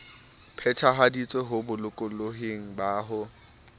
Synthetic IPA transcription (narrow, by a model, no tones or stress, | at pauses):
pʰɛtʰaɦadit͡sʼweɦʊbʊlʊkʼʊloɦeŋ̩baːɦʊ